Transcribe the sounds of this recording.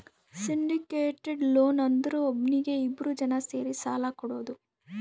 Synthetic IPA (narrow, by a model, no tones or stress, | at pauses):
siɳɖikeːʈeɖloːnɐnd̪ɐɾuobniɡe̞ibːɾud͡ʒɐnɐse̞ːɾisaːlɐkɔɽo̞ːd̪u